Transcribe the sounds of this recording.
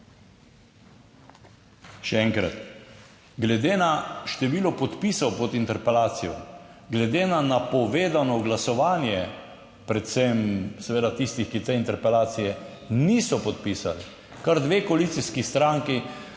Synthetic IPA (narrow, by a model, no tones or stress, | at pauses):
ʃɛɛŋkɾa̰t̪ | ɡlɛd̪eːnaʃt̪ɛʋiːlɔpɔt̪piːsɔwpɔt̪int̪ɛɾpɛlaːt̪sijɔɡlɛd̪enanapɔʋeːd̪anɔɡlasɔʋaːnjɛ | pɾɛt̪sɛmsɛʋeːd̪at̪ist̪ixkit̪ɛint̪ɛɾpɛlaːt̪sijɛ | nisɔpɔt̪pisa̰li | kaɾd̪ʋeːkoalit̪siskist̪ɾaːŋki